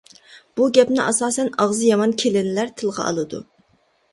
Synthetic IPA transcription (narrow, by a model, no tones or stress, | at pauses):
b̥uɡʲɛpnɪʔɑsɑːsɛnɑʁzɨjɑmɑnkʲʰelɪnlæɾt̪ʰɨlˠʁɑ̰ʔɑ̰lˠɨd̪ṵ